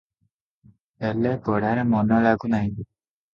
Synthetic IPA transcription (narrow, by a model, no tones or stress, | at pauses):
ɛlɛɡɔɽaɾɛmɔnɔlaɡunaɦĩ